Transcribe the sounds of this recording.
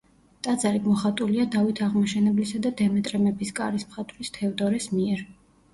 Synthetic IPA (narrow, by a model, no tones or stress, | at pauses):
t̪ʼad̪zaɾiɡmɔχat̪ʼuliad̪avit̪ʰaʁmaʃɛnɛblisad̪ad̪ɛmɛt̪ʼɾɛmɛbiskʼaɾismχat̪ʼvɾist̪ʰɛvd̪ɔɾɛsmiɛɾ